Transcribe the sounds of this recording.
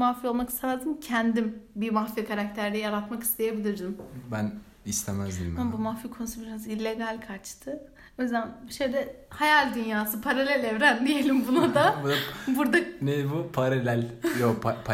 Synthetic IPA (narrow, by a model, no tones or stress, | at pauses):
mafio̞lˠmaki̥st̪ʰemæzd̪imcʰænd̪imbimafijɛkʰaɾak̚t̪ʰæɾd̪ɛjaɾat̪maki̥st̪ʰe̞jebilʲiɾd̪imbæn | ist̪ʰemæzd̪imabumafikʰo̞nusubiɾazilʲːe̞ɡalʲkʰaɾt͡ʃt̪ʰɯ | ojzænʃejd̪ɛhajalʲd̪ynjaːsɯpʰaɾalʲɛlʲevɾænd̪ije̞lʲimbunad̪abud̪abuɾd̪anebupʰaɾalʲælʲjopapʰa